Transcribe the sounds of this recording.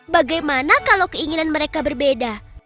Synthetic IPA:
baɡajmanakalawkəiŋinanməɾekabərbeda

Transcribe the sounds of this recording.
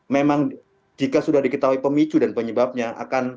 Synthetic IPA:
memaŋ | d͡ʒikasudahdikət̪aɦuipəmit͡ʃudanpəɲəbap̚ɲaʔa̰kan

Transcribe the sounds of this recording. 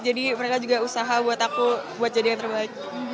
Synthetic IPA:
d͡ʒadiməɾekad͡ʒuɡausaɦabuat̪akubuat̪̚d͡ʒadijaŋt̪ərbaɪk̚

